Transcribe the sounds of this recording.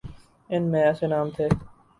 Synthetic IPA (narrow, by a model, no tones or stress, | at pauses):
ɪnmẽɐseːnaːmt̪ʰeː